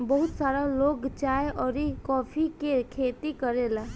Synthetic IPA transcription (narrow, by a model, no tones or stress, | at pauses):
bəɦʊt̪saːɾaloːɡt͡ʃaːeʔɔːɾikɔːpʰikekʰeːt̪ikəɾelaː